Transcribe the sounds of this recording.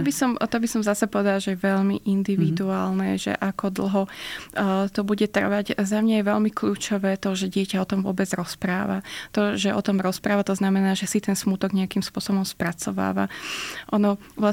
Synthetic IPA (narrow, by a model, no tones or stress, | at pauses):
ɔbisɔmt̪ɔbisɔmzasɛpɔʋɛd̪alaʒɛjɛʋɛʎmiʔind̪iʋid̪uaːlnɛʒɛ̰ʔakɔd̪l̩ˠɦɔ | t̪ɔbuɟɛt̪r̩ʋaɟzamɲajɛʋɛʎmikʎuːt͡ʃɔʋɛːt̪ɔʒɛɟɪɛcaɔt̪ɔmvʊɔ̰bɛd͡zɾɔspɾaːʋa̰t̪ɔʒɛʔɔ̰t̪ɔmɾɔspɾaːʋat̪ɔznamɛnaːʒɛsit̪ɛnsmut̪ɔɡɲɛakimspʊɔsɔbɔmspɾat͡sɔʋa̰ːʋa̰ʔɔnɔʋla